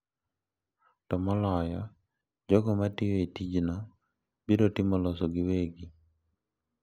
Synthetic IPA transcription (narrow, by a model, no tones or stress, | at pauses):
tɔmɔlɔjɔ | d͡ʒɔɡɔmatɪjoitid͡ʒnɔ | biɾotɪmɔlɔsɔɡɪweɡi